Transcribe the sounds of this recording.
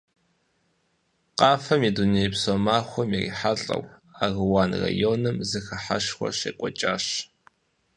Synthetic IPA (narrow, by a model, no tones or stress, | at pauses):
qɑːfɐmiduneːjpsomaːxʷɔmirḭːħaɬʼɐ̰waːɣɨwaːnra̰joːnɨmzɨxɐħa̰ʂxʷɔ̰ɕḛːkʷʼɔt͡ʃʼaːɕ